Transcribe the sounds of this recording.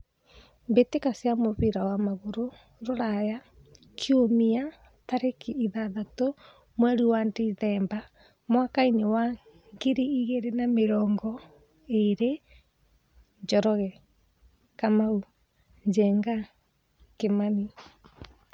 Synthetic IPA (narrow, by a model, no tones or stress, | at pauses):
mbetekasjamoβiɾawamaɣoɾo | ɾoɾaja | kʰjomia | taɾekiiðaðato | mwɛɾiwandiðɛːmba | mwakainewa | ŋɡeɾiiɣeɾenameɾɔːŋɡɔ | eɾe | ɲd͡ʒɔɾɔɣɛ | kamau | ɲd͡ʒɛŋɡa | kemani